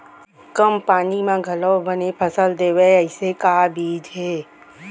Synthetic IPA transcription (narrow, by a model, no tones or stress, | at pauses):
kəmpaːnimãɡʱɐləwbənepʰɐsəld̪eːweɐɪsekaːbʱiːd͡ʒɦɛː